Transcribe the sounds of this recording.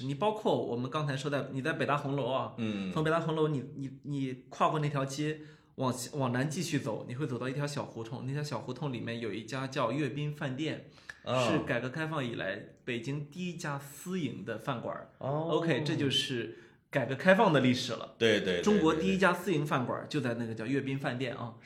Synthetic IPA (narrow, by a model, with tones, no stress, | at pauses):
ni˨˩pɑ˥ʊkʰwɔ˥˩wɔ̰˨˩mə˦nkɑ˥ŋt͡sʰa˧˥ɪʂo˥t̪a˥˩ɪni˨˩t͡sɪpe˨˩ɪt̪a˥xʊ˧˥ŋlo˧˥ʊɐ˧˩fʊ˧˥ŋpe˨˩ɪt̪a˥xʊ˧˥ŋlo˧˥ʊni˨˩ni˨˩ni˨˩kʰwa˥˧kwɔ˥˧na˥˩t̪ʰjʊt͡ɕɛ˥ | wɑ˨˩ŋwɑ˨˩ŋna˧˥nt͡ɕi˥˧ɕy˥˩t͡so˨˩˦ʊni˨˩xwe˥˩t͡so˨˩t̪ɑ˥˧i˥˩jɑ˧˥ʊɕjɑ˨˩ʊxu˧˥t̪ʰʊ˥˧ŋna˥˩tʰjʊɕjɑ˨˩ʊxu˧˥t̪ʰʊ˥˩ŋli˨˩mjɛ˥˩njo˨˩ʊi˥˩t͡ɕja˥t͡ɕjɑ˥˧ʊɥɛ˥˩pi˥nfa˥˧nt̪jɛ˥˩n | ʂɻ̩˥˩ka˨˩ɪkɤ˧˥kʰa˥ɪfɑ˥˩ŋi˨˩la̰˧˥ɪpe˨˩ɪt͡ɕi˥ŋt̪i˥˩i˥t͡ɕja˥sɹ̩˥i˧˥ŋd̪ə˧fa˥˩nkwɐ̰˨˩o˧ʊkʰe˥ɪʈ͡ʂɤ˥˧t͡ɕjo˥˧ʊʂɻ̩˥˩ | ka˨˩ɪkɤ˧˥kʰa˥ɪfɑ˥˩ŋd̪ə˩li˥˩ʂɻ̩˨˩lə̰˦t̪we˥˧ɪt̪we˥˧ɪʈ͡ʂʊ˥ŋkwɔ˧˥t̪i˥˩i˥t͡ɕja˥sɹ̩˥i˧˥ŋfa˥˩nkwɐ̰˨˩t͡ɕjo˥˧ʊt͡sa˥˧ɪna˥˩ɡə˩t͡ɕjɑ˥˧ʊɥɛ˥˩pi˥nfa˥˧nt̪jɛ˥˩nʔɐ̰˧˩